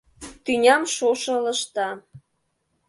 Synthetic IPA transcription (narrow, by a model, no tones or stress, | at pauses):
t̪ynʲɑmʃoʃɤ̆lə̆ʃt̪ɑ